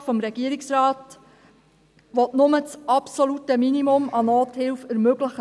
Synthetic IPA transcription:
fɔmɾɛɡ̥iəɾiksrɑːt | ʋɔtnʊmət͡sʔɑpsɔlutəminimʊmɑnɔːthɪlfæɾmøɡləχ

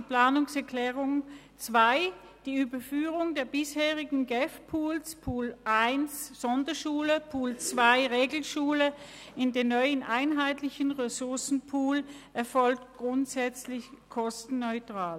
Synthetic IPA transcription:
plaːnʊŋsɛɐkʰl̥ɛːʁʊŋ | t͡sv̥aɪ | d̥iːyːbɐfyːʁʊŋdeːɐbɪsheːʁɪɡŋ̩ɡɛfpʰuːlspʰuːlʔaɪnsz̥ɔndɐʃuːləpʰuːlt͡sv̥aɪʁeːɡl̩ʃuːlə | ʔɪndeːnɔʏənʔaɪnɦaɪtlɪçənʁesʊɐsn̩pʰuːlʔɛɐfɔlk̚tɡ̥ʁʊntsɛt͡slɪçkʰɔstn̩ːɔʏtʁ̥aːl

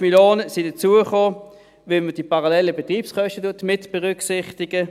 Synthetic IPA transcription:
miljoːnəsidət͡suəχoː | vilməd̥ipʰaʁalɛlːəbetʁiːpskœʃtətuɐtmɪtb̥ɛʁʏksɪχtɪɡ̥ə

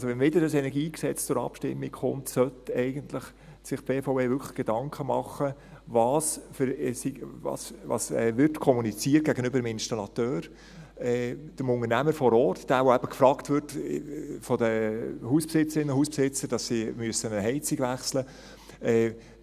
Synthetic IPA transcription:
ɑlsoʋɛnʋɪdəɾdəsɛnɛɡiːksɛt͡st͡sʊɾɑ̰pʃtɪ̰mːikχʊ̰ntsœtɛɪɡəntlɪχ | sɪχb̥eːfoʊeːvʏkʰlə̥χɡ̥edɑŋkʰəmɑχəvɑːsfəɾsivɑ̰ːsʋɑ̰sɛːʋʏɾtkʰɔmunit͡siːət̚ɡ̥æɡənøbəɾdəmɪnʃtɑlɑt̪øːɾ | ɛd̥əmʊnəɾnæməɾfɔɾɔːrtd̥æːvoæb̥əkfɾɑːktvʏɾt | fɔdəhuːspsɪt͡səɾɪnːəhuːspsɪt͡səɾd̥ɑssimyəsənəɦɛɪt͡siɡʋæχslə | ɛ

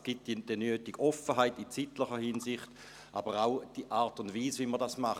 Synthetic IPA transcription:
sɡ̥it̚d̥d̥ənyːtiɡ̥ɔfəɦaɪtit͡sitləχəhinsɪχt | ʔabəʁaʊd̥iʔaːɐtʊndviːsʋiməʁdasmaχ

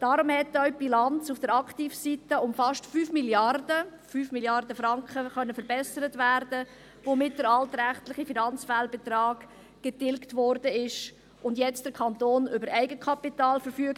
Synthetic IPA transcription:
d̥ɑɾʊmhɛtːœʊb̥ilɑnt͡sufd̥əɾɑkχtiːfsitəʊmfɑʃtfyːfmiljɑrdəfyːfmiljɑrdəfɾɑŋkχəχœnːəfəɾbɛsəɾətvæɾdə | vomɪt̚d̥əɾɑltɾæχtlɪχifinɑnt͡sfælbɛtrɑːɡ | ɡ̥ɛtɪlktvɔɾdəɪʃ | ʊndjɛt͡std̥əɾkʰɑntoːnʏbəɾæɪɡəkʰɑpitɑːlfəɾfyək

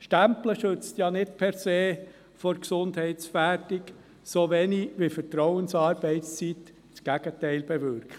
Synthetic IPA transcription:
ʃtæmpləʃɵt͡st̪jɑnɪtpʰɛɾseː | fɔɾksʊndhɛɪtsfætik | soʋɛniʋifəɾtɾɔʊənsɑːɾb̥ɛɪtst͡sit̪ | t͡sɡ̥æɡ̥ətɛɪlb̥ɛʋʏɾkχə

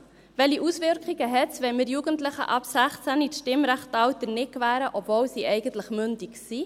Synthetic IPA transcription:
ʋɛliʔusʋɪɾkχiɡəɦɛtt͡sʋɛməɾjuɡəntləχə̰ʔɑpsæχt͡sænitʃtɪmɾæχtɑwt̪ənɪkvæːɾəʔɔpvowsiʔɛɪɡəntləχmʏntiksi

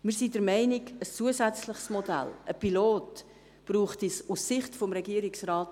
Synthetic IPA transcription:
mɪːɾsidəɾmɛɪniɡəst͡suəzæt͡sləχsmɔdæ̰ləpiloːt | b̥ɾuːχtisusːɪχtfɔmɾɛɡiəɾiksraːt

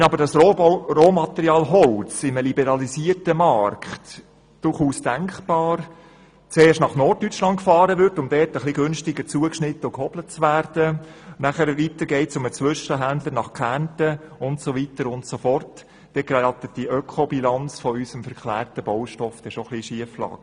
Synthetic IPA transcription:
ɛnɑbəɾdɑsroːmɑt̪ɛɾiɑːlɦɔlt͡sɪməlibɛɾɑlisiətəmɑrkχt | d̥ʊrχuːsd̥æŋkb̥ɑːɾ | t͡seːʃtnɑχnɔrtːyt͡ʃlɑntkfɑːɾəʋʏɾtʊmd̥ɛːtəχliɡʏnʃtɪɡəɾt͡suəkʃnɪtːəʊkhɔb̥lət̚t͡sʋæːɾd̥ənæχæɾʋitəɾɡɛɪtsʊmət͡sʋʏʃəɦændləɾnɑχkʰæntəʊntsoʋitəɾʊntsofɔrt | d̥ɛɡrɑt̪ətd̥iʔœkʰɔbilɑnt͡sfɔysəmfəɾkχlæːrtəbɔwʃtɔfd̥ɛʃoχliʃiəflɑ̰ːɡ̥ə

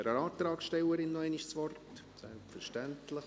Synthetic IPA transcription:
ɛɾəɑːt̪ɾɑːksʃtɛləɾɪnːɔɛɪniʃsʋɔrt | sɛ̰lpfəɾʃtæntləχ

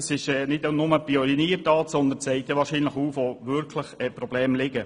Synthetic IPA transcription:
sɪʃɛːnɪdonʊməpiɔɾiniərtɑːtsɔnd̪ənt͡sɛɪt̪ːəʋɑːɾʃiːnləχuːfʋoʋʏɾkʰləχɛpɾɔblɛːmlɪɡə

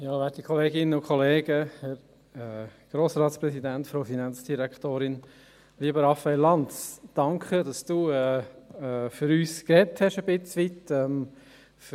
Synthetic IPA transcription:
jɑːvɛtikʰɔleːɡɪnənʊkʰɔleːɡəhɛɾ | ɛɡ̥ɾoːsɾɑːtspɾɛsidæntfɾoʊfinɑnt͡sd̥iɾɛktoːɾɪn | liːbəɾɑfɛɪlɑntsd̥ɑŋkχədɑsd̥uːɛːɛfyɾyːskrɛthɛʃəbɪt͡sʋitɛm | f

